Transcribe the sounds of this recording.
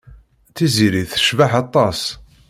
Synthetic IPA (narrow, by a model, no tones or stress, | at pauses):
θiziɾiθə̥ʃvaħɑt̪ˤːɑs